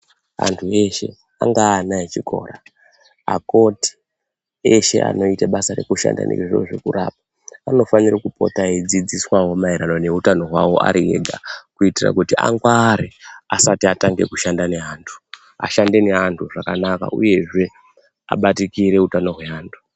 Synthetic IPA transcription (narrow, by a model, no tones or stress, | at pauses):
a̰ntʰue̞ʃe̞ | a̰ŋɡaːnaet͡ʃikʰo̞̰ːɾa | a̰ko̞ti̥ | eʃe̞̰ʔa̰no̞itaɓasaɾe̞̰kuʃa̰nda̰nḭʐoʐo̰ʐe̞kura̰ːp̚a | ano̞fanirakupo̞̰taed͡zid͡ziswawo̞maiɾanone̞utano̞ɦwawo̞ʔa̰ɾieɡʱakuitira̰kutia̰ŋɡwaːɾeasatiataŋɡe̞̰kuʃandane̞ɦaːntʰu̥ | a̰ʃande̞ne̞antʰuʐakanaka̰ṵje̞ʐe̞ | a̰ɓatikiɾe̞utano̞ɦwe̞aːntʰu̥